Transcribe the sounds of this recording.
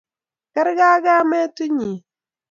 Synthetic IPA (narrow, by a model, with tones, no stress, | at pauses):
kɛ˦ɾɡa˦ɡa˦mɛ˦tu˦ɲi˨